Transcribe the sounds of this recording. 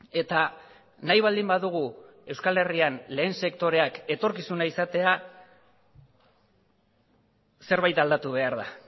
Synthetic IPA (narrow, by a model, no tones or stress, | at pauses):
e̞t̪a | najβ̞ald̪imbaðuɣ̞u | e̞wskale̞rianle̞ːnse̞kt̪o̞ɾe̞ake̞t̪o̞ɾkisunaisat̪e̞a | se̞ɾβajt̪ald̪at̪uβ̞e̞aɾða